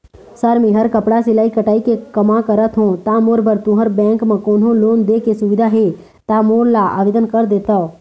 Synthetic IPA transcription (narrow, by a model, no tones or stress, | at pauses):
səɾmĩɦəɾkəpɽasɪlaːikəʈaːikekəmãkəɾət̪ɦõt̪amoːɾbəɾt̪ũɦəɾbɛ̃ːŋkmə̃koːnɦõloːnd̪ekesʊʋɪd̪ʱaɦe | t̪amoːɾlaʔa̰ːʋeːd̪ənkəɾd̪eːt̪ə